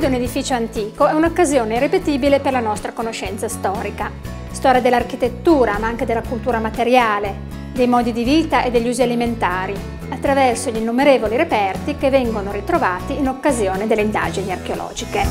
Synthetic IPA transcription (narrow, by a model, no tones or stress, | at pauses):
d̪uned̪ifiːt͡ʃoant̪iːkoɛunokːazjoːneirːepet̪iːbileperlanɔst̪ɾakonoʃɛnt̪sast̪ɔːɾika | st̪ɔːɾjad̪elːarkit̪et̪ːuːɾamaaŋk̟ed̪elakult̪uːɾamat̪eɾjaːle | d̪ejmɔːd̪id̪iviːt̪aʔed̪ːeʎːuːzialiment̪aːɾi | at̪ːɾavɛrsoʎinːumeɾeːvoliɾepɛrt̪ikevːɛŋɡonoɾit̪ɾovaːt̪iːnokːazjoːned̪elːeind̪a̰ːd͡ʒiniarkeolɔ̰ːd͡ʒike